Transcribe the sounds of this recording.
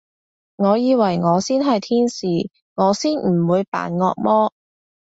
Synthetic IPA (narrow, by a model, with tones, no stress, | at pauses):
ŋɔː˨˧jiː˨˧wɐ˨˩jŋɔː˨˧siː˥nɦɐ˨jt̪ʰiː˥nsiː˨˩ | ŋɔː˨˧siː˥nm̩˨˩wuː˨˧jpa̰ː˨˥nŋɔ̰ː˧k̚mɔː˥